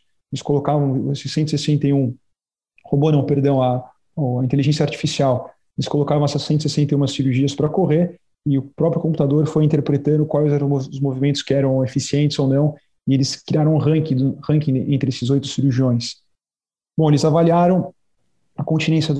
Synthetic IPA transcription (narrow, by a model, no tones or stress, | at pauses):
elɪskolokavɐ̃w̃sɪsẽt̪ʊsesẽnt̪ɐjũ | hobonɐ̃w̃peɾd̪ɐ̃w̃ɐ | ɐĩt̪̬eliʒẽsjɐaɾt͡ʃi̥fisiaw | elɪskolokavɐ̃w̃asɛsẽnt̪ʊsesẽnt̪ejũmɐsiɾuɾʒiɐspɾɐkoʁeɾ | ɪʊpɾɔpɾjʊkõmput̪ad̪oɾfojĩt̪eɾpɾet̪ɐ̃nd̪ʊkwajzɛʊzmovimẽnt̪ʊ̥skɪɛɾɐ̃w̃efisiẽt͡ʃ̪ɪz̥ownɐ̃w̃ | ɪelɪskɾiaɾɐ̃ũʁɐ̃kɪ̃d̪ʊhɐ̃kĩẽnt̪ɾɪesɪzojt̪ʊ̥siɾuɾʒiõj̃s | b̥õw̃elɪzavaliaɾɐ̃w̃ | ɐkõnt͡ʃinẽsjɐ